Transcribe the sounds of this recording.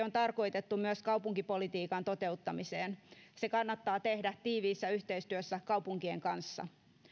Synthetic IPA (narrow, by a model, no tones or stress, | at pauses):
ont̪ɑrko̞jt̪et̪ːumyøskɑupuŋkipolit̪iːkɑnt̪ot̪e̞ut̪ːɑmiseːnsekɑnːɑt̪ːɑːt̪ehdæt̪iːʋiːsːæyht̪eist̪yøsːækɑupuŋkieŋkɑnsːɑ̰